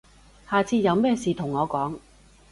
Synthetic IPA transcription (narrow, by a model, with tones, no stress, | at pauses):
haː˨˩t͡sʰiː˧t̚jɐ˨˧wmɛː˥siː˨t̪ʰʊ˨˩ŋːɔː˨˧kɔː˨˥ŋ